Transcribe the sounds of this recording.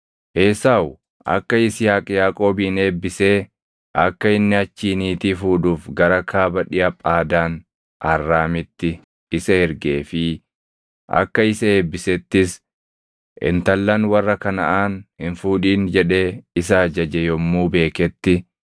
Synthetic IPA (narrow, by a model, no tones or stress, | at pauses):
ʔeːsaːw | ʔɐ̰kːɐɪsɪjaːkʼjaːkʼo̞ːbiːne̞ːbːɪse̞ː | ʔɐ̰kːɐɪnːɪɐt͡ʃːiːniːt̪iːfuːᶑuːfɡɐɾɐkʰaːbɐᶑɪʔɐpʼaːd̪aːn | ʔɐrːaːmɪt̪ːɪ | ɪsɐɛɾɡe̞ːfɪ | ʔɐ̰kːɐɪsɐeːbːɪsɛt̪ːɪs | ʔɪ̰nt̪ɐlːɐnwɐrːɐkɐnɐʔaːnhɪnfuːᶑiːnd͡ʒɛᶑe̞ːɪsaːd͡ʒɐd͡ʒɛjɔmːuːbe̞ːkɛt̪ːɪ